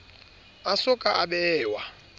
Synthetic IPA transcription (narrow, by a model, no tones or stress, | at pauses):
asʊkʼaʔaɓɛːwa